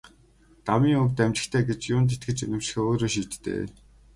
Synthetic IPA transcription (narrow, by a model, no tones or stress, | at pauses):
t̪amiːŋɵwt̪æmt͡ɕɪ̆xt̪ʰeːɡet͡ɕjʊnt̪̬et̪ɡɘ̆t͡ɕenʲɪ̆mt͡ɕxeːoːɾoːʃiːt̪ːḛː